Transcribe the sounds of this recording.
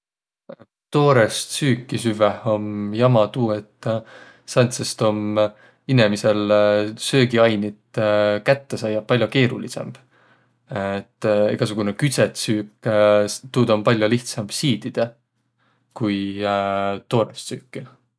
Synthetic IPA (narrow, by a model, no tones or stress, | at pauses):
t̪o̞ːɾest̪syːkːˑisyveho̞mjɑmɑt̪uːe̞t̪ːˑ | sɑnt̪sest̪o̞m | inemise̞lsø̞ːɡiɑjnit̪kæt̪ːe̞sɑjɑpːɑlʲjoke̞ːɾulise̞̰mb̥ | et̪ːḛɡ̥ɑsuɡ̥unekyt̪set̪syːkː | t̪uːd̪ɑmpɑlʲjoliht̪sɑmb̥siːd̪̥id̪̥e | kuj | t̪o̞ːɾest̪syːkːˑi